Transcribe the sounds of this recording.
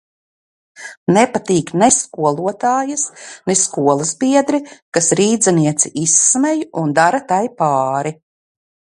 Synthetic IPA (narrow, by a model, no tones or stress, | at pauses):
nɛpat̪iːknɛskuɔlˠuɔt̪aːjɐsneskuɔlˠɐzbiɛd̪ɾikasɾiːd̪zaniɛt̪siʔisːmɛjund̪aɾat̪ajpaːɾi